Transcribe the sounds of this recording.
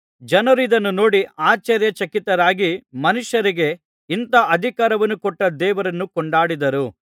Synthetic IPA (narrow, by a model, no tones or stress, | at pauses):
d͡ʒɐnɐɾuid̪ɐnːuno̞ːɽiaːt͡ʃɐɾjɐt͡ʃɐkit̪ːɐɾaːɡimɐnuʂjɐɾiɡe̞ | int̪ɐʔɐd̪ʱikaːɾɐʋɐnːukɔʈːɐd̪ɛːʋɐɾɐnːukɔɳɖaːɽid̪ɐɾu